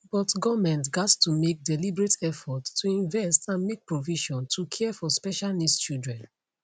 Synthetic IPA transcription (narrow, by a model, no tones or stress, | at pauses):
bɔtɡɔmɛ̃ntɡattʰumek̚dɛlibɹetʰɛfɔtːuĩɱvɛstãnmek̚pɹoviʃɔ̃ntʰukʰɛɛfɔspɛʃalnist͡ʃildɹɛ̃n